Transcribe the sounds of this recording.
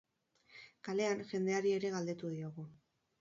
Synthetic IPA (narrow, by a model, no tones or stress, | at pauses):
kale̞anʝe̞nd̪e̞aɾie̞ɾe̞ɣald̪e̞t̪uðioɣ̞u